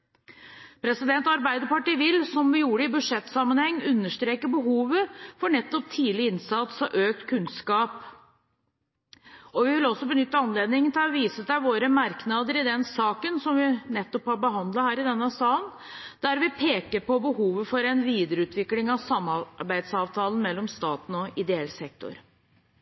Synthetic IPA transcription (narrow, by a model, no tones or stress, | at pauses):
pʰɾɛsɪd̪ɛnt̪ɑɾbæɪd̪əɾpɑʈiːʋɪlsɔmʋɪjuːɾəɪbʉd̪ʂɛt̪ːsɑmːənhɛŋːʉnːəʂʈ̪ɾeːkəbəɦuːʋəfɔɳɛt̪ːɔp̚t̪ʰiːlɪɪnsɑt̪sɔʔøːkt̪kʰʉnskɑːp | ɔʋɪʋɪlːɔsːɔbənʏt̪ːəɑnleːd̪nɪŋənt̪ʰɪlɔʋiːsəsæɪʋoːɾəmɑɾknɑːd̪əɾɪd̪ɛnsɑːkənsɔmʋɪnɛt̪ːɔphɑɾbəɦɑnd̪lɑhæːɾɪd̪ɛnːəsɑːən | d̪̥æɾʋɪpʰeːkəɾpɔbəhuːʋəfɔɾɛnʋiːd̪əɾəʉːt̪ʰʋɪklɪŋɑʋsɑmːɑbæɪd̪sɑːʋt̪ʰɑːlən̩mɛlːɔmst̪ɑːt̪n̩ɔɪd̪ɛɛlsɛk̚t̪ɔ̰ɾ